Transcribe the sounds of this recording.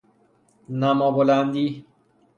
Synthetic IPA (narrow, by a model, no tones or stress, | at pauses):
namɔboland̪i